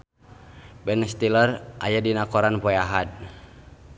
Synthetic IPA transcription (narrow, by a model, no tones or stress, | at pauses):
bɛnst̪ilərʔajadinakɔɾanpɔjaɦad̪̚